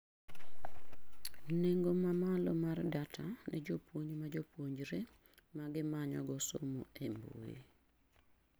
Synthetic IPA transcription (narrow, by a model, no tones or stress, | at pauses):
neŋɡomamalɔmardatʰanɛd͡ʒopwoɲmad͡ʒopwoɲd͡ʒɾe | maɡɪmaɲɔ̰ɡɔso̰moembo̰ḛ